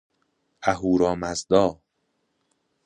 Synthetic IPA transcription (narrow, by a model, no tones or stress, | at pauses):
æɦuːɾɒːmæzd̪ɒː